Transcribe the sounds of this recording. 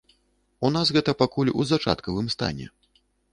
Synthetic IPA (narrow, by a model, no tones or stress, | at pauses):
unasɣɛt̪ɐpakulʲṵzat͡ʂa̰t̪kɐvɨmst̪a̰nʲɛ̰